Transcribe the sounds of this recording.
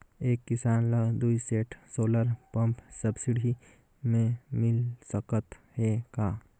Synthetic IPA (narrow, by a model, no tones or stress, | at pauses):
eːkːɪsaːnləd̪uiseːʈʰsoːləɾpə̃mpsəbsɪɽʱi | mẽmɪlsəkət̪hekaː